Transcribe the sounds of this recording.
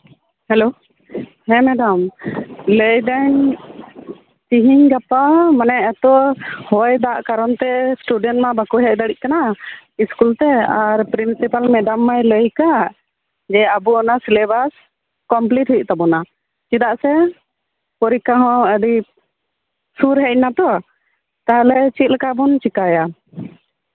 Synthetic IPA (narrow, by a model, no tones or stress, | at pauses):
hɛlo | hɛ̃mɛɖamləjɖan | t͡ʃiɦiɲɡapamanɛʔat̪ɔhɔjd̪aʔkaɾɔnt̪ɛsʈuɖɛnʈmabakuɦɛʔ̚d̪aɽiʔ̚kanaiskult̪ɛaɾpɾinsipalmɛɖamːajləjka | d͡ʒɛabuɔnasilɛbas | kɔmpliʈhujʔt̪abɔna | t͡ʃid̪aʔsɛ | pɔɾikaɦɔ̃əɖi | suɾɦɛc̚nat̪ɔ | t̪aɦlɛt͡ʃit̪̚lɛkabunt͡ʃikaja